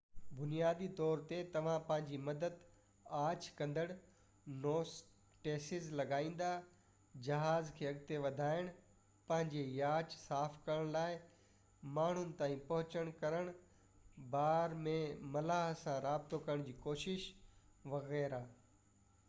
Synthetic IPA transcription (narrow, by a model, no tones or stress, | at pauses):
bʊnijaːd̪it̪ɔːɾt̪et̪ɐʋ̤ãpɐ̃ɦɪ̃ɲd͡ʑimɐd̪əd̪ | aːt͡ɕkɐ̃nd̪əɽ | noːs | ʈeːsɪzlɐɡaːĩːn̆d̪a | d͡ʑɐɦaːzkʰeːɐɡt̪eʋɐd̪ʱaːɪɽ̃ | pɐ̃ɦɪ̃ɲd͡ʑejaːt͡ɕsaːfkɐɾəɽ̃laːɪ | maːɳ̤ʊnɪ̆t̪aːĩpɐɦʊt͡ɕəɽ̃kɐɾəɽ̃ | baːɾmẽmɐlaːɦsãɾaːbɪt̪okɐɾəɽ̃d͡ʑiːkoːʃɪʃʋɐɣɛːɾaː